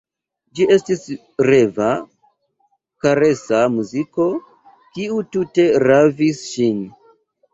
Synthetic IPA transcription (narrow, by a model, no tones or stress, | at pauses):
d͡ʒie̞stis | ɾeva | kaɾesamuziko̞ | kiutute̞ɾavisʃin